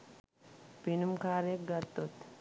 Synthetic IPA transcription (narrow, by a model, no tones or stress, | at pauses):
b̥inʊmkaːɾeːɡɐɾt̪ot̪ː